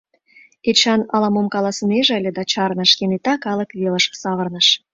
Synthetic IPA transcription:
et͡ɕɑnɑlɑmomkɑlɑsəneʒəlʲĕd̪ɑt͡ɕɑrnəʃkenet̪ɑkɑləkβeləʃsɑβərnəʃ

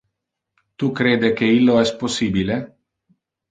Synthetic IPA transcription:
t̪ukɾeːd̪ekeilːoɛst̪̚posːiːbile

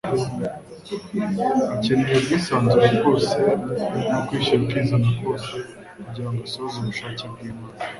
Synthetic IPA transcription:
iciniobɡiːsaːnzuɾaɡo̞ːsenokwiːʃakizanakɡo̞ːse | kuɟiaːŋɡasozuβuʃaːceb̚ɡiːmaːna

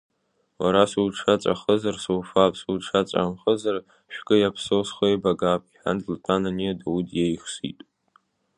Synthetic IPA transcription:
waɾasuwʈ͡ʂʰat͡sʷʼa̰χəzarsowfapʼsuwʈ͡ʂʰat͡sʷʼa̰mχəzar | ʃᶣɡʼɨjapʰsowsχojbaɡapʼiħᶣa̰ndltʼananiadawudjejχsḭtʼ

